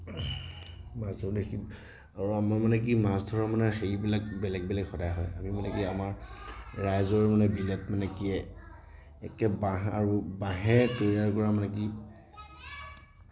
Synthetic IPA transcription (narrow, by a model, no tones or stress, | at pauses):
masdʱɔɹdɛki | aɹuamamanɛk̬imasdʱɔɹɔmanɛxeibilakbɛlɛk̚bɛlakxɔdajɦɔ̰jamimanɛkiamaɹɹajzɔɹmanɛbilɛt̚manɛkiɛ | ɛkɛbaɦa̰ɹubaɦɛtoɹiaɹkɔɹamanɛk̬i